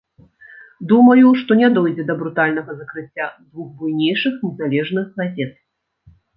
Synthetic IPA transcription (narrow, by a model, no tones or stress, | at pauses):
d̪umɐjuʂt̪ɔnʲɛd̪ɔjd͡zʲɛd̪ɐbɾut̪alʲn̪ɐɣɐzɐkɾɨt͡sʲːad̪vuɣbujnʲejʂɨxnʲɛzalʲɛʐnɨxɣazʲɛt̪̚